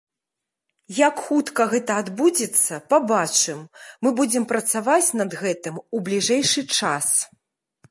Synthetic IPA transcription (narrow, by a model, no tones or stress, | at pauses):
jakxut̪kɐɣɛt̪ɐad̪bud͡zʲɛt̪sːɐpabat͡ʂɨmːɨbud͡zʲɛmpɾɐt̪savat͡sʲnɐd̪ɣɛt̪ɨmublʲiʐɛjʂɨt͡ʂas